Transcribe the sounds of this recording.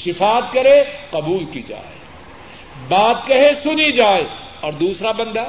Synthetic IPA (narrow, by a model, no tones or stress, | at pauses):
ʃɪfaːt̪̚kɐɾeqɐbuːlkid͡ʒa̰ːḛ | baːt̪̚kɐɦesʊnid͡ʒaːe | ɔːɾd̪uːsɾabɐ̃nd̪aː